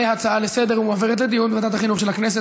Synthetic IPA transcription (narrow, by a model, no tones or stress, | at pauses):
ejat͡saalesed̪eʁumoaveʁet̪̬led̪ijunbemad̪at̪aχinuχʃe̞lhaknes̬e